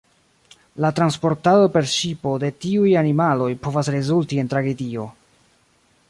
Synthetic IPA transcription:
latɾanspo̞ɾtado̞pe̞ɾʃipo̞de̞tiujanimalo̞jpo̞vasɾe̞zultie̞ntɾaɡe̞dio̞

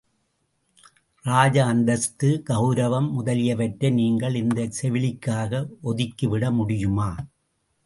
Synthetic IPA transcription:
ɾaːd͡ʒɐːnd̪ɐst̪ɯɡɐʊɾɐʋɐmːʊðɐlɪjɐʋɐʈɾɐniːŋɡɐɭɪnd̪ɐsɛʋɪlɪkːaːɣɐʔɔðɪkːɯʋɪɽɐmʊɽɪjɯmaː

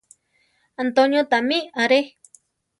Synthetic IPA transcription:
ant̪onjõt̪amĩaɾe

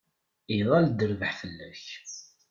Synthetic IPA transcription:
iðˤɑld̪əɾvəħfəlːæç

